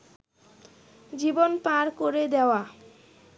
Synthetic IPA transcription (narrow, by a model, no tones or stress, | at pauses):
d͡ʑibonpãɾkoɾed̪eoa